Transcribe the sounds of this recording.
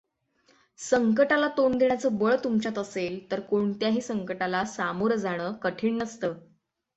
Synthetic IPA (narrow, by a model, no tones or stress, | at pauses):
səŋkəʈalat̪ond̪eɳ̃jat͡səːbəɭt̪umt͡ɕat̪əselt̪əɾkoɳt̪jaɦiːsəŋkəʈalasamuɾd͡zaɽ̃əːkəʈʰiːɳnəst̪əː